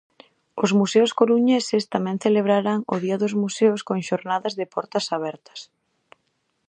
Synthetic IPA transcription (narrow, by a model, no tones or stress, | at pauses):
ʊzmuseʊskoɾuɲesɪst̪amɛ̃ŋθeleβ̞ɾaɾaŋʊðiɐðʊzmuseʊskoŋʃoɾnaðɐzðɪpɔɾt̪ɐsaβ̞ɛɾt̪ɐ̥s